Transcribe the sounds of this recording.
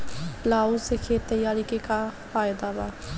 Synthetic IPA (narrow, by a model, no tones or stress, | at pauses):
laːusekʰet̪əjaːɾikekafaːjɪd̪abaː